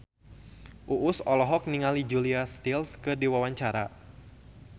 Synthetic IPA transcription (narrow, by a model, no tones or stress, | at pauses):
ʔuʔʊsɔlɔɦɔk̚niŋalid͡ʒuliast̪ilskədiwawaɲt͡ʃaɾa̰